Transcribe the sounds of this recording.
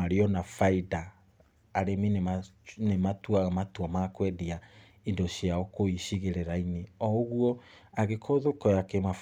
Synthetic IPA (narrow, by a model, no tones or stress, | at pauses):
aɾiɔnafaidaː | ɾeminenematwaɣamatwɔmakwɛdia | indɔɕiaɔkoiɕiɣeɾeɾaineɔoɣuɔaɣekʰoðokɔjakemaf